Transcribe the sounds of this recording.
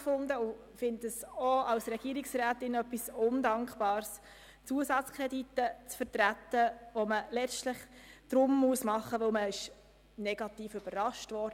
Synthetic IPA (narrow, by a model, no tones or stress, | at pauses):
fʊnd̪əʊ | fɪntəsoɑwsɾɛɡ̥iːɾɪksɾæːt̪ɪnœpːisʊndɑŋkχb̥ɑːɾs | t͡suəsɑt͡skʰɾɛditːət͡sfəɾtɾæt̪ːəʋoməlɛt͡stləχd̥ɾʊmːuəsmɑχəʋɵlməɪʃ | nɛɡ̥ɑtiːføb̥ərɑʃtʋɔɾd